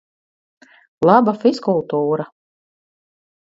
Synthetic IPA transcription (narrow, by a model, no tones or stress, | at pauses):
lˠabafiskulˠt̪uːɾa